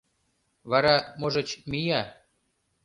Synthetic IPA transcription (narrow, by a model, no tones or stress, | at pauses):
βɑɾɑmoʒɤ̆t͡ɕmijɑ